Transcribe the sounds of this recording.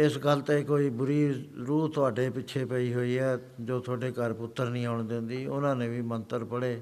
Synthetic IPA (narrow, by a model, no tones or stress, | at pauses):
ɪsɡəlt̪eːkoːiːbʊɾiːɾuːt̪ʊaːɖeːpɪːʃʰeːpəiːɦoːiːɛː | d͡ʒoːt̪ʰʊaːɖeːkəɾpʊt̪ːəɾnĩːaʊɳd̪ẽnd̪iːʊnãːnẽːʋiːmənt̪əɾpəɽeː